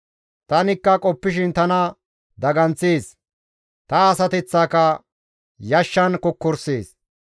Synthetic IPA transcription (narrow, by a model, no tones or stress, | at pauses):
t̪ɐnɪkːɐkʼɔpːɪʃɪnt̪ɐnɐ | d̪ɐɡɐnt͡seːs | t̪ɐːsɐt̪ɛt͡sːaːkɐ | jɐʃːɐnkɔkːɔɾseːs